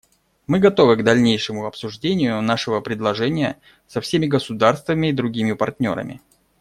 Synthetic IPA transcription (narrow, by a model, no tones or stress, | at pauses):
mɨɡɐt̪o̞vɨɡd̪ɐlʲnʲejʂɨmʊɐpsʊʐdʲenʲɪjʊnaʂɨvəpɾʲɪd̪lˠɐʐɛnʲɪjə | sɐfsʲemʲɪɡəsʊd̪arst̪vəmʲɪːd̪ɾʊɡʲimʲɪpɐrtʲnʲo̞̰ɾə̰mʲɪ̰